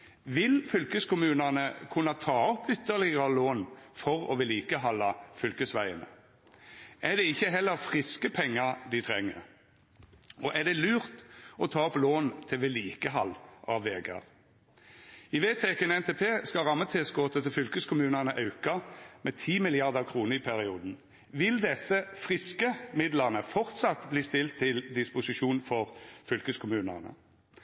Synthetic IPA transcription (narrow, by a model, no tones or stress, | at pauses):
ʋɪlfʏlkəskʊmʉːnənəkʰʉnːɑt̪ʰɑːɔpʏt̪ːəʁlɪɡəəloːnfɔʁɔ̰ʋɛliːkəɦɑlːɑfʏlkəsʋæɪə̰nə̰ | ʔæd̪ɛɪçːəɦɛlːəʁfʁɪskəpʰɛŋːɑʁd̪ɪt̪ʰʁɛŋːə̰ʁ | ɔʔæd̪ɛlʉːʁt̪ɔt̪ʰɑːɔploːnt̪ʰɪʋeliːkəɦɑlʔɑʋeːɡə̰ʁ | ɪʋeːt̪ʰɛkənɛnt̪eːpʰeːskɑʁɑmːət̪ʰɛːsɡoːt̪ʰət̪ɪfʏlkəskʰʊmʉːnənəʔɑʉkɑmeːt̪ʰiːmɪlɪɑʁd̪əkʰʁuːnəʁɪpʰæʁɪuːd̪n̩ | ʋɪld̪ɛsəfʁɪskəmɪd̪ləʁnəfɔʁt̪sɑt̪bliːst̪ɪlt̪ʰːɪld̪ɪspʊsɪʃuːnfɔʁfʏlkəskʰʊmʉːnənə̰